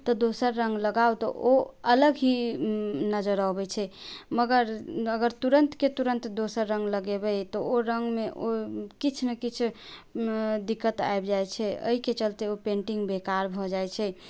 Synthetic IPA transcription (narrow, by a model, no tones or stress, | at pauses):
t̪ɔd̪osəɾːə̃ŋɡləɡawt̪ɔ̰ʔoələɡɦi | nəd͡ʒəɾəɦbɛt͡ʃʰɛməɡəɾəɡəɾt̪uɾənt̪ket̪uɾə̃nt̪d̪osəɾːə̃ŋɡləɡebɛt̪ɔoɾəŋɡmeʔokit͡ʃʰnəkit͡ʃʰ | d̪ikːət̪a̰ebd͡ʒajt͡ʃʰɛə̰ɦiket͡ʃəlt̪eopẽɳʈiŋɡbekaɾbʱɔd͡ʒajt͡ʃʰɛ